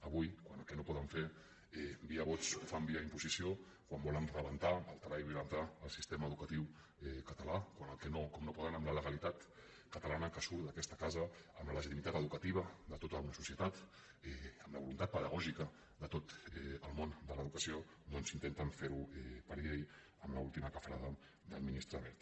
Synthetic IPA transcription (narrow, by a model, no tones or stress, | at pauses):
əβujkwanəlkɛnopɔðəɱfeɾ | ɛbiəβot͡sufambiəimpuzisio | kwambɔlənrəβənt̪aəlˠt̪əβajβjulənt̪aəlˠsist̪eməːðukət̪iw | ɛkət̪əlakwanəlˠkɛnokomnopɔðənəmlələɣəlit̪at̪ | kət̪əlanəkəsuɾd̪əkɛst̪əkazəəmlələʒit̪imit̪at̪əðukət̪iβəd̪ət̪ot̪əunəsusiət̪at̪ | ɛəmlə̰βulunt̪at̪̚pəðəɣɔʒikə | d̪ət̪ot̪ɛəlˠmond̪ələðukəsio | d̪ɔnzint̪ent̪əɱfeɾuɛpəɾʎej | əmləulˠt̪iməkəfɾaðə | d̪əminist̪ɾəβɛɾt̪